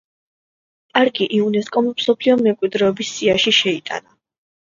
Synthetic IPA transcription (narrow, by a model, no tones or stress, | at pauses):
kʼaɾɡiʔiunɛskʼɔmimsɔpʰliɔmɛmkʼwid̪ɾɛːbisːiaʃiʃɛit̪ʼa̰na